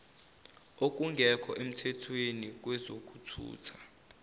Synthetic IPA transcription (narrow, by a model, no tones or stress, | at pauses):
ok̬ʼuŋɡʱɛkʰɔʔem̩tʰɛtʰwenik̬wɛzok̬ʼutʰṵːtʰḁ